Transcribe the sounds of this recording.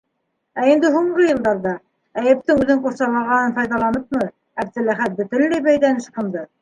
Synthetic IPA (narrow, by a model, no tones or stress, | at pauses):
æind̪ɘɦuɴʁɤjɤ̆lˠd̪ɑɾðɑ | æjɘ̆p̚t̪ɘŋʉðɘɴquɾsɑlˠɑʁɑnɤnfɑjðɑlˠɑnɤp̚mɤ | æb̚d̪ɘ̆læχæt̪̚bɵ̆t̪ɘ̆nlæjbæjlænɘ̆ʃqɤ̆md̪ɤ